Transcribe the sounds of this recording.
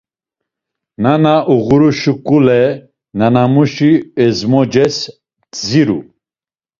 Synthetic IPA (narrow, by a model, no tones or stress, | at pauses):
nanaʔuɣuɾuʃukʼulɛ | nanamuʃiɛzmɔd͡ʒɛs | ziɾṵ